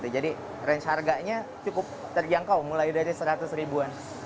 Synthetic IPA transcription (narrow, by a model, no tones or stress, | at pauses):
t̪ud͡ʒadi | rɛnt͡ʃharɡaɲat͡ʃukʊp̚t̪ərd͡ʒaŋkawmulajdaɾisəɾat̪ʊsɾibuan